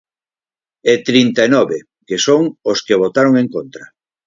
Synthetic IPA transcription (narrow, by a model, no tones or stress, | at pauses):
et̪ɾint̪aenɔβe | kesoŋoskeβ̞ot̪aɾoŋẽŋkont̪ɾa